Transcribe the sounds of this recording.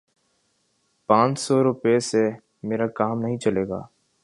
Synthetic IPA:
pãːt͡ʃsɔɾʊpese | meːɾakaːmnɐɦĩt͡ʃɐleːɡa̰ː

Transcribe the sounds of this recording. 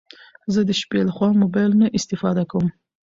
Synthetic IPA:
zəd̪əʃpelaxwɑmobɑjlnaʔɪst̪ɪfɑd̪akawəm

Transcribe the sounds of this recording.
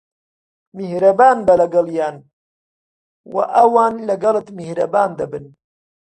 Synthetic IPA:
mihɾɐbaːnbɐlɐɡɐljaːn | wɐ̰ʔɐwaːnlɐɡɐlɨt̪mihɾɐ̰baːnd̪ɐbɨn

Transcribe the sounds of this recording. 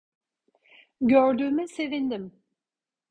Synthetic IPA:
ɟøɾd̪yːmise̞vind̪im

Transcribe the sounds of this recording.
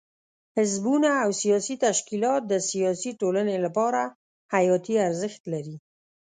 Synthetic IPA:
hɪzbunaːwsijɑsit̪aʃkilɑt̪̚d̪əsijɑsiʈolanelapɑɾa | hajɑt̪iaɾzɪxt̪laɾi

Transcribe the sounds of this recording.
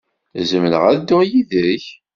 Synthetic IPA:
zəmlə̰ʁæd̪ːʊʁjiðɾiç

